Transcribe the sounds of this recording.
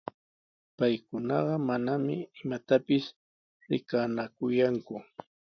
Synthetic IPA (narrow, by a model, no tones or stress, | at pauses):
pajkʊnɑɢɑmanamɪɪmat̪apɪs | ɾɪkanakʊjaŋkʊ